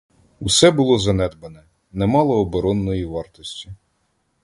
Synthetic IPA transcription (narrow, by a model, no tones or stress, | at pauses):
usɛbʊlˠɔzɐnɛd̪bɐnɛ | nɛmɑlˠɔːbɔɾɔnːɔjiʋɑrt̪ɔsʲtʲi